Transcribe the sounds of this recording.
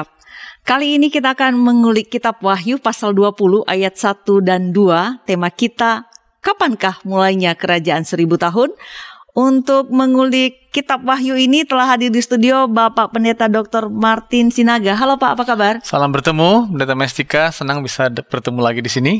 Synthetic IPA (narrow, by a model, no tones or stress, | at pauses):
kaliːnikit̪aːkanməŋulɪkːit̪ap̚waɦjupasalduapuluʔajat̪̚sat̪udanduat̪emakit̪a | kəpankahmulajɲakəɾad͡ʒaansəɾibut̪aɦʊnʔunt̪ʊk̚məŋulɪkːit̪ap̚waɦjuinit̪əlaɦadɪrdisə̥t̪udiobapaʔpəndat̪adɔk̚t̪ɔrmart̪ɪnsinaɡaɦalopaapakabarsalambərt̪əmupəndat̪amɛst̪ikasənaŋbisab̥ərt̪əmulaɡidisini